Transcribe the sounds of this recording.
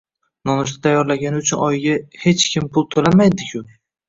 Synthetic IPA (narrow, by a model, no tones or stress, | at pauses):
nɒnɪʃ̬t̪at̪ʰajːɒɾlaɡʲanɪʊt͡ʃʰʊnɒjɡʲahe̞t͡ʃkʲʰɪmpʰʊlˠt̪ʰolamajd̪ɪkʲʰʊ